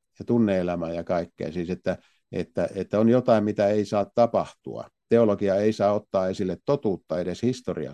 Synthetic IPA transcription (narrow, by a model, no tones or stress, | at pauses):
jɑt̪unːeelæmæːjɑkɑikːḛːsiːset̪ːæ | ḛt̪ːæet̪ːæonjot̪ɑˑimmit̪æeisɑːt̪t̪ɑpɑht̪ṵɑ̰t̪eolokiɑeisɑːot̪ːɑːesilːet̪t̪ot̪uːt̪ːɑedeshist̪orḭɑ̰